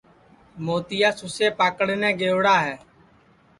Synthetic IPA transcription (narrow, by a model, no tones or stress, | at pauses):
moːt̪ɪjaːsʊseːpaːkəɽeːnɛ̃ːɡeːʋɽaːɦɛː